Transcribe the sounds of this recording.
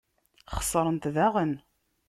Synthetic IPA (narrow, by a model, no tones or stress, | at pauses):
χə̥sˤːəɾˤənt̪ðæʁən